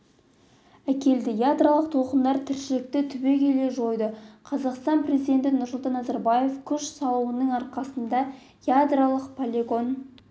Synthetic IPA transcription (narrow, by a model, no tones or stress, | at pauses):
ækʲe̞ld̪ɪjad̪ralˠəq̚t̪ʰo̞qənd̪ɑɾt̪ʰɪɾʃɪlɪk̚t̪ɪt̪ʰʏbe̞kʲʰe̞le̞ʒo̞jd̪əqʰɑzɑqst̪ɑnprʲe̞zijd̪e̞nt̪ɪnʊɾsʊlˠt̪ɑnːɑzɑɾbɑje̞fkʲʰʏʃsɑlˠuwənəŋɑɾqɑsənd̪ɑ | jad̪ralˠəqpʰolʲeɡo̞n